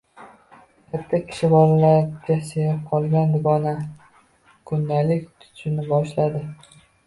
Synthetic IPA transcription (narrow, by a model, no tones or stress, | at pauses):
kʰʲat̪ʰːakʲʰɪ̥ʃɪbɒlalaɾɡʲaseɾɪp̚qʰɒlˠɡʲand̪ʊɡɒna | kʰʊnd̪alɪkʲt̪ʰʊ̥t͡ʃʰɪnɪbɒʃlad̪ɪ